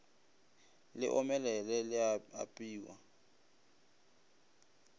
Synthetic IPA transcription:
lɪ̰ʔɔmɛlɛlɛlɪaa̰pʼiːwa

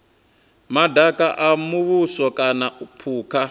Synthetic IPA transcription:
madʱakʼaʔamuβusɔkʼanaupʰuːkʰa

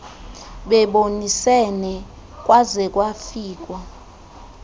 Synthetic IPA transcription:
ɓɛɓonisɛnɛ | kʼwʔazɛkʼwafiːk̬ʼwa

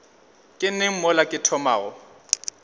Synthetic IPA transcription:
kʼɪn̩nɪŋ̩mɔlakʼɪtʰɔmaːɣɔ

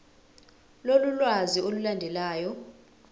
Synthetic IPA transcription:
lolulwaziolulandʱɛlaːjɔ

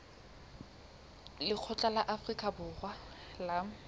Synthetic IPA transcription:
lɪq͡χʰɔt͡ɬʼalaʔafrikʼabʊːχwala

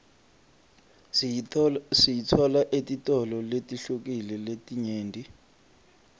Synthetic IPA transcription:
sijitʰwɔlaʔetʼitʼɔlɔletʼiɬuk̬ʼilɛletʼiɲeːndʱi

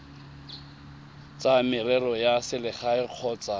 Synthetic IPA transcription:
t͡sʼamɪrɛrɔjasɪlɪχaɪq͡χʰɔːt͡sa

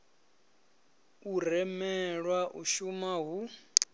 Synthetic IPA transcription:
urɛmɛɺwaʔuʃumaɦu

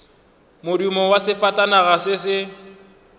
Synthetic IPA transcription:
mʊdimɔwasɪfatʼanaɣasɪsɪ

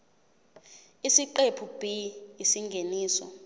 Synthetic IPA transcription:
isiǃepʰub̥ʱiisiŋɡʱeniːsɔ̰

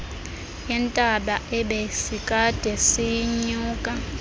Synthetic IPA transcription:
jɛntʼaɓaʔɛɓesikʼad̥ʱɛsiɲuːkʼa

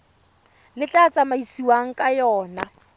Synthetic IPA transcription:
lɪt͡ɬʼat͡sʼamaisiwaŋ̩kʼajɔːna

